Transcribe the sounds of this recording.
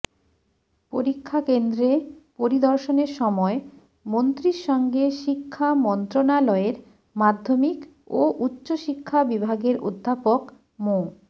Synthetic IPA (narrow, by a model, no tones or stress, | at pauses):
poɾikʰːakend̪ɾepoɾid̪ɔɾʃoneɾʃɔmɔe | mont̪ɾiɾʃɔŋɡeʃikʰːamɔnt̪ɾonalɔeɾ | mad̪ʱːomik | oʔutːɕoʃikʰːabibʱaɡeɾo̰d̪ʱːapok | mo